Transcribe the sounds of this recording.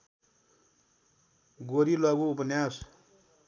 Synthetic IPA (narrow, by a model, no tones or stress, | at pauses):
ɡoɾilwaɡoupʌnjas